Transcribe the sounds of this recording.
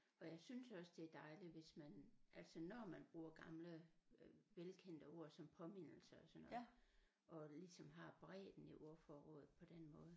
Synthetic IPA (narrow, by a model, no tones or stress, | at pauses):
ɒ̽jɑ̈ɪsynsɒ̽sd̥e̝æɐd̥ɑ̈ɪliʋe̝smænʔæl̰sɒnɒmænb̥ʁuːɐɡ̥ɑ̈mlə | ʋelkʰen̰d̥əo̝ːɐ̰sɒ̽mpʰɒ̽me̝n̰l̩səɒsɒnɔ̽ | ʔɒ̽lisɒ̽mɦɑ̈b̥ʁɛ̰ːd̥n̩iʔo̝ɐ̰fɒːʁɔ̰ːð̩ˠpʰɒ̽d̥enmɔ̽ːðˠ